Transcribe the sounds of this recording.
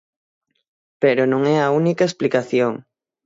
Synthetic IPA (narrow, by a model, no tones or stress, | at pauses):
peɾonõŋɛɐunikaesplikaθjoŋ